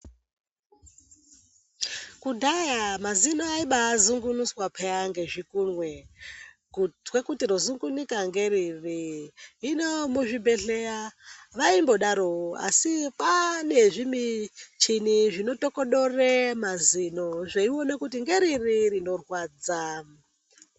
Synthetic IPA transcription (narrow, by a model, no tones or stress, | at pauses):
kudʱajamazinoaiɓaːzuŋɡunuswapʰeaŋɡe̞ʐikunwe | wekutiɾozuŋɡunikaŋɡe̞ɾiriː | nomuʐibʱe̞ɬejaʋaimbo̞ɗaɾooa̰sipane̞ʐimit͡ʃiniʐino̞tokoɗo̞remazinoʐeionekutiŋɡe̞ɾiririno̞rwaːd͡za